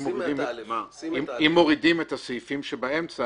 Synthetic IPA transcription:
moidim | imimːo̞ʁidimethasejfimʃebae̞mt͡sa

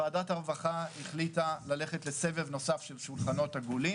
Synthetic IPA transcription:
aːdataʁvaχahiχlitalale̞χetle̞se̞vevno̞safʃe̞lʃulχano̞thaɡuli

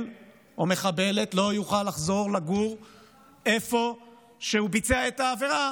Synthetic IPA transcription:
l | ome̞χabe̞le̞t̪lo̞juχalːaχzo̞ʁlaɡuʁ | e̞fo̞ | ʃeubit͡seaetaːve̞ʁa

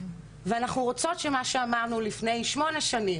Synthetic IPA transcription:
veanaχnuʁot͡so̞tʃemaʃeamaʁnulifne̞jʃmo̞neʃanim

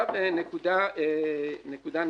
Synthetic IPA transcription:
abenekud̪a | nekud̪an

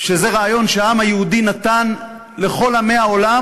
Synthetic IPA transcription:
ʃezeʁaːjo̞nʃeaamhajeud̪inat̪an | le̞χo̞lame̞jao̞la

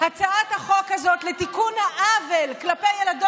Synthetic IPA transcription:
hat͡saʔat̪haχo̞khazo̞t̪let̪ikunhaʔavelklapejelado

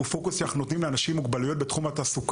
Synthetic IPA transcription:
ufo̞kusaχnunot̪nimleanaʃimːuɡbalujo̞t̪̚be̞t̪χumatasuk

